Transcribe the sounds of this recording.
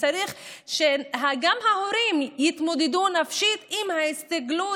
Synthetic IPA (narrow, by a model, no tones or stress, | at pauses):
t͡saɾiχʃeɦaɡamɦahoɾimjit̪mod̪ed̪unafʃit̪imhaist̪aɡlu